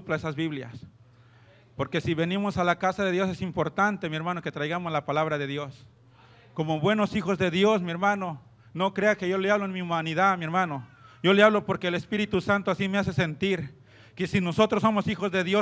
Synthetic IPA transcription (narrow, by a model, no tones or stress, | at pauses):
plaesazβiβlja̰s | po̞ɾke̞siβe̞nimo̞salakasaðeðjo̞s̬e̞simpo̞ɾt̪ant̪e̞mie̞ɾmãno̞ke̞t̪ɾajɣamoslapalaβɾaðe̞ðjos | ko̞mo̞βwe̞no̞sixo̞zðe̞ðjo̞smie̞ɾmano̞ | no̞kɾe̞ake̞ʝo̞leaβloenmiumaniðaðmie̞ɾmãno̞ʝo̞leaβlo̞po̞ɾkeːlespiɾit̪usant̪oasimease̞se̞nt̪iɾ | ke̞sino̞so̞t̪ɾoso̞mosixo̞zðe̞ðjo